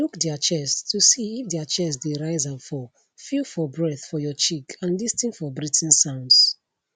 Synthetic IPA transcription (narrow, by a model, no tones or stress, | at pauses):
lukdat͡ʃɛstʰusiːfdiat͡ʃɛs̬deɹaɪzapfɔ | filfɔbɹɛθfɔjɔt͡ʃikʰãnlistĩnfɔbɹitʰɛ̃nsãʊ̃nds